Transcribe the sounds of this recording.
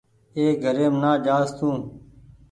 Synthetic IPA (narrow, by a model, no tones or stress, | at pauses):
eːɡʱəɾeːmnaːd͡ʒaːst̪ʰũː